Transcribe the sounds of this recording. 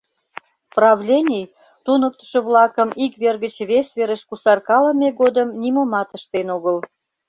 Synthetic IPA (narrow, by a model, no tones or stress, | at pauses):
prɑβlʲenʲij | t̪unək̚t̪ə̥ʃə̆βlɑkəmikβerɣət͡ɕβesβeɾəʃkusɑrkɑlə̆mʲeɣod̪əmnʲiməmɑt̪əʃt̪enoɣəl